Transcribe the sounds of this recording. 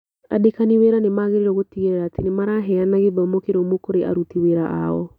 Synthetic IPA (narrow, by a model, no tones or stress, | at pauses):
a̰dekaniweɾanemaɣeɾeɾɔɣotiɣeɾɛɾaːtenemaɾaɦɛanaɣeβaomokeɾomokoɾeʔa̰ɾutiweɾaʔa̰ɔ̰